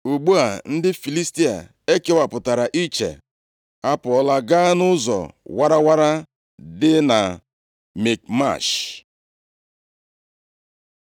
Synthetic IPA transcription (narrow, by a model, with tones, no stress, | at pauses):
u˨ɡ͡bu˦a˨n̩˦dɪ˦fi˨li˦sti˦a̰˨ | e˦ke˦wa˨pʊ˨ta˨ɾa˨ʔi˦t͡ʃḛ˨ | a˦pʊ˨ɔ˦la˦ɡa˦nʊ˦zɔ̰˨wa˦ɾa˦wa˦ɾa˦ | dɪ˦na˨ | me˨k̚ma̰˦˨ʃ